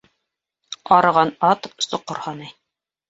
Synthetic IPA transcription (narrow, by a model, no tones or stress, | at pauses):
ɑɾɤ̆ʁɑnɑt̪sŏqːɤ̆ɾhɑnɤj